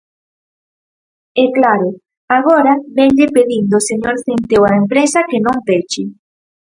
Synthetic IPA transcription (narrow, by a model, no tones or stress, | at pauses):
ɛklaɾʊ | aɣ̞oɾaβeɲʎepeðind̪oseɲoɾθent̪ewaempɾesakenõŋp̪et͡ʃi